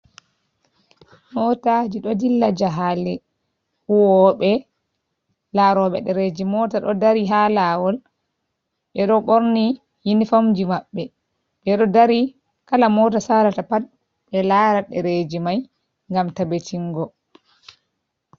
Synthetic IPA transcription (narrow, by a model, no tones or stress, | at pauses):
nɔtad͡ʒiɗɔdilːad͡ʒaɦalɛ | huwɔɓɛ | laɾɔɓɛ̰ɗɛɾed͡ʒimɔtaɗɔ̰daɾiɦalawɔl | ɓɛɗɔɓoɾni | jinifomd͡ʒimaɓːɛ | ɓɛɗɔdaɾi | kalamɔtasaɾatapat̚ | ɓɛlaːɾaɗɛɾed͡ʒimaj | ŋɡamtabetʰiŋɡɔ